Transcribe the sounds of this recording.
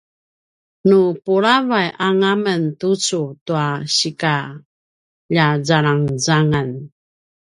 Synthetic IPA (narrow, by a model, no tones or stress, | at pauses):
nupuɾavajʔaŋaməntut͡sutuaɕika | ʎazaɭaŋzaŋan